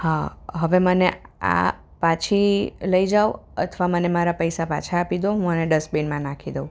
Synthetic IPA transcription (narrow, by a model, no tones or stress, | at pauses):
hãɦəʋemənea̰ | pat͡ʃʰiləid͡ʒawə̰t̪ʰʋamənemaɾapəjsapa̰t͡ʃʰaːpid̪oɦũəneɖəsbinmãnakʰid̪eũ